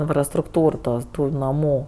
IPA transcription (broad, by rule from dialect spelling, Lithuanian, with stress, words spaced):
ɪnfrɐstrʊkˈtuːr ˈtoːs ˈtuː nɐˈmuː